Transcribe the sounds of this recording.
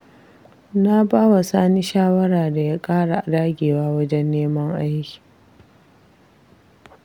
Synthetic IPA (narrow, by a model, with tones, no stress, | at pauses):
na˦baː˦wa˨saː˦ni˦ʃaː˦wɐ˦ɽaː˨da˨ja˦kʼaː˦ɽa˨ʔa˨daː˦ɡʲeː˨waː˦wɐ˦d͡ʒɛ˦nːeː˦mɐ˦ŋʔa˦jkʲi̥˨